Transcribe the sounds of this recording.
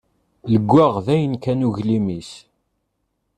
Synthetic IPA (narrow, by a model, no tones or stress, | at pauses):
ləɡʷːæʁðæjənkænuʝlimis